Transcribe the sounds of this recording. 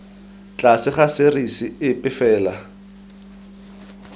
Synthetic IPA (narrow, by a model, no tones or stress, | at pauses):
t͡ɬʼasɪχasɪrisiɪpʼɪfɛːla